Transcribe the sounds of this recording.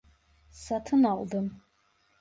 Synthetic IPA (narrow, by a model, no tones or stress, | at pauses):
satʰɨnaʔʷʼdɨm